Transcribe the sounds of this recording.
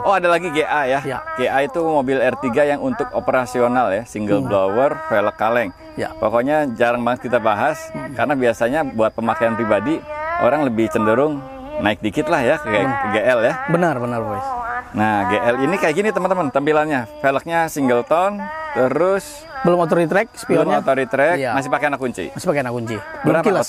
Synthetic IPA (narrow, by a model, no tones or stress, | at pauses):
oadalaɡiɡeʔajaɡ̥eʔait̪umobɪlɛrt̪iɡajaŋunt̪ʊk̚opəɾasionaljasiŋɡəlblowərfeləkːalɛŋ | ja̰pokoɲad͡ʒaɾaŋbaŋət̪̚kit̪abaɦaskaɾənabiasaɲabuat̪̚pəmakaanpɾibadiʔo̰ɾaŋləbɪht͡ʃəndəɾʊŋ | naɪk̚dikɪt̪lahjakəɡkəɡeʔɛljabənərbənərbusnaɡeʔɛlinikajakinit̪əmənt̪əmənt̪əmpilanɲafelək̚ɲasiŋɡəlt̪ɔnt̪əɾʊs | bəlʊmot̪̬oɾit̪ɾɛk̚sə̥piblʊmɲaot̪oɾit̪ɾɛkmasɪhpakeanakːuɲt͡ʃḭmasi̥pakenakuɲt͡ʃibəəɾapa